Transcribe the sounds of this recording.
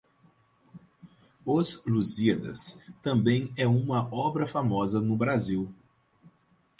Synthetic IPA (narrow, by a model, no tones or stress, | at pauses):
ozluziɐd̪ɐ̰st̪ɐ̃mbẽj̃ɛũmɐɔbɾɐfamɔzɐnʊbɾaziw